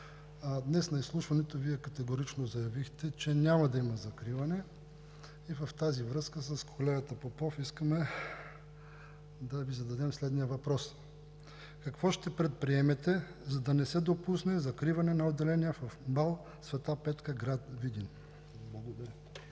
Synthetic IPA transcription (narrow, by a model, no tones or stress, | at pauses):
d̪nɛsnɐislˠuʃvɐnɛt̪oviɛkɐt̪ɛɡoɾit͡ʃnozɐjɐvixt̪ɛt͡ʃɛnʲamɐd̪ɐimɐzɐkɾivɐnɛ | ivɐft̪azivɾɤskəsɐskʰolɛɡɐt̪ɐpopɔfiskəmɛ | d̪ɐvizɐd̪ɐd̪ɛmslɛd̪nijəvɐpɾɔs | kɐkvɔʃt̪ɛpɾɛt̪̚pɾiɛmɛt̪ɛzɐd̪ɐnɛsɛd̪opusnɛzɐkɾivɐnɛnɐod̪ːɛlɛnʲiəfɐfbalˠ | svɛt̪apɛt̪kəɡɾat̪vid̪in | blˠɐɡod̪ɐɾʲə